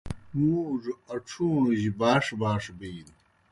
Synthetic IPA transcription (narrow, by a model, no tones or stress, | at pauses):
muːʐɐʈ͡ʂʰũːʑbaːʂbaːʂbiːn